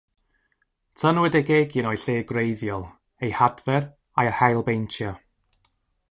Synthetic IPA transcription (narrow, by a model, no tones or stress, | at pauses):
tʰənwɛdɛɡeɡinɔjɬeːɡrejðjɔlˠ | ejhadvɛr | ajəhajlˠbejntʰjɔ